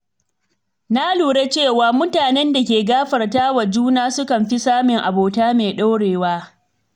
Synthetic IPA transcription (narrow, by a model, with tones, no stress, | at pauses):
na˦luː˨ɽe˦t͡ʃeː˦˨waː˨mʊ˦taː˨nɛ˦nda˨kʲeː˨ɡaː˦ɸɐ˨rtaː˦wa˨d͡ʒuː˦naː˦sʊ˦kɐ˨mɸi˦saː˦mɪ˨ŋʔa˨boː˨taː˦meː˨ɗa˦wɽeː˨waː˦